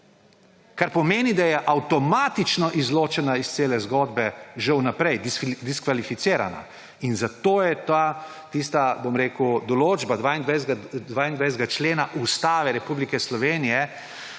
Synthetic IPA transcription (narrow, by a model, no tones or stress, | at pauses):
kaɾpɔmeːnid̪ajɛʔawt̪ɔmaːt̪it͡ʃnɔʔizloːt͡ʃɛnaist̪seːlɛzɡoːd̪bɛʒɛwnapɾɛjd̪d̪iskʋalifit̪seːɾa̰na̰ | inzat̪oːjɛt̪a | t̪iːst̪abomɾeːkud̪ɔloːd͡ʒbad̪ʋaːind̪ʋajɡd̪ʋaːind̪ʋajsz̬t̪ɡat͡ʃleːnaʔust̪aːʋɛɾɛpuːblikɛslɔʋeːnijɛ